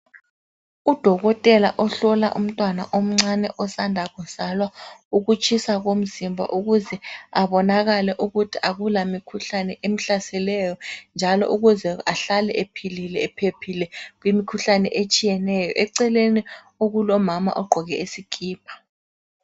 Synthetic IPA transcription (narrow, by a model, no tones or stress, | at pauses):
ud̥ʱɔɣɔtʼɛlaʔɔɬɔla̰ʔum̩tʼwanaʔom̩ŋ͡ǀanɛʔɔsandʱaɣɔz̥alwauɣut͡ʃʼisaɣom̩zimbʱa̰ʔuɣuzɛaβɔnaɣalɛʔuɣutʰiʔaɣulamikʰuɬanɛʔem̩ɬasɛlɛjɔnd͡ʒʱalɔ̰ʔuɣuzɛaɬalɛʔepʰililɛːpʰepʰilɛɣwimikʰuɬanɛ̰ʔet͡ʃʼijɛnɛjɔ̰ʔɛǀɛleni | oɣulɔmama̰ʔɔɡ͡ǃʱɔɣɛesikʰʼiːp̚ʰḁ